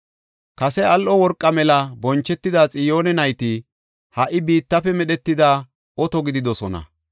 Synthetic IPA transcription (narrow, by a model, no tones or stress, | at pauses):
kɐsɛɐlʔɔwɔɾkʼːɐmɛlɐbɔnt͡ʃːɛt̪ːɪd̪aːt͡sʼɪjo̞ːnɛnɐjt̪ɪ | hɐʔɪbiːt̪ːɐfɛmɛɗɛt̪ːɪd̪aː | ɔt̪ɔɡɪd̪ɪd̪ɔsɔnɐ̰